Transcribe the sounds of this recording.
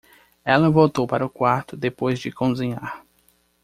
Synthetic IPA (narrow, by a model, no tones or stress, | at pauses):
ɛlɐvowt̪owpaɾɐʊkwaɾt̪ʊd̪epojzd͡ʒɪkõzĩɲaɾ